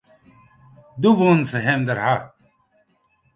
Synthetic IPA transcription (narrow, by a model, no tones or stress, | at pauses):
d̪ubuːnseɦemd̪ɐɾɦa